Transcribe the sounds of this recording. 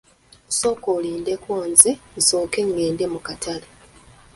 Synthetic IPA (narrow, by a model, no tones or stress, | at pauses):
so̞koliːnde̞kwoːnzenso̞ːke̞ŋːeːnde̞mukatʰala